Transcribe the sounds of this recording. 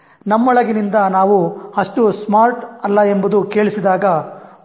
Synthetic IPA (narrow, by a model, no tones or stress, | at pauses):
nɐmːɔɭɐɡinind̪ɐnaːʋuɐʂʈusmaːɾʈɐlːɐe̞mbud̪uke̞ːɭisid̪aːɡɐ